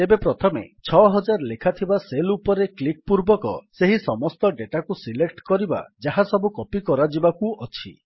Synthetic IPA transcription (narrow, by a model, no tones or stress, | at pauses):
ebepɾɔt̪ʰɔmḛt͡ʃʰɔɦɔd͡ʒaɾlekʰat̪ʰibaselupɔɾeklik̚puɾbɔkɔ̰seɦisɔmɔst̪ɔɖeʈakusilekʈkɔɾiba̰d͡ʒaɦasɔbukɔpikɔɾad͡ʒibakuɔt͡ʃʰḭ